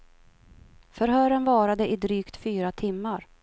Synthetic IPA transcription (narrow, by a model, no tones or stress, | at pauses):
fœɾɦœːɾənvɑːɾad̪əʔɪd̪ɾyːkt̪fyːɾat̪ʰɪmːaɾ